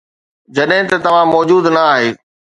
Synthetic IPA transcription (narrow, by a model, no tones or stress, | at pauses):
d͡ʑɐɗɦɪ̃t̪ɐt̪ɐʋ̤ãmɔːd͡ʑuːd̪nɐaːɦeː